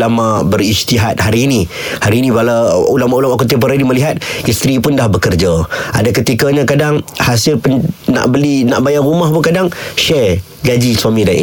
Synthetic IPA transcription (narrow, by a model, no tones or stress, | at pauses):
lamabəɾist̪iɦat̪̚haɾiːni | haɾiːnĩbalaulamaʔulamakut̪̬ip̬əɾaniməliɦat̪̚ist̪ɾipʊndahbəkərd͡ʒaa̰dakət̪ikəɲãkadaŋhasɪlpəna̰ʔbəlina̰ʔbajaʔrumahpʊkadaŋʃɛ | ɡad͡ʒiswamĩdanʔḭ